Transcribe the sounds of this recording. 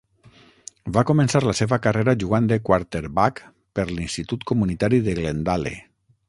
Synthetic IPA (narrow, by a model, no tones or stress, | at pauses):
bakomẽnsaɾlaseβakareɾaʒuɣ̞and̪ekwaɾt̪eɾβak | peɾlinst̪it̪ut̪komunit̪aɾiðeɣlend̪alḛ